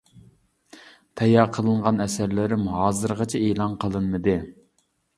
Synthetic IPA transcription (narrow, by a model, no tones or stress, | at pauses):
t̪ʰɛjɑqʰəlˠɨɴʁɑnɛsæɾlɪɾɪmɦɑːzɨɾʁɑt͡ʃʰɛelˠɑnqʰəlˠɨnmɨd̪ɨ